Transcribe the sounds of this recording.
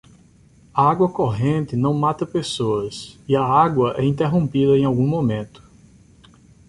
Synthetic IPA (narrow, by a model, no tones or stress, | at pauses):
ɐaɡwɐkoɦẽnt̪ɪnɐ̃w̃mat̪ɐpesoɐsiɐaɡwɐʔɛĩnt̪eɦõmpid̪ɐẽj̃awɡũmõmẽnt̪ʊ̥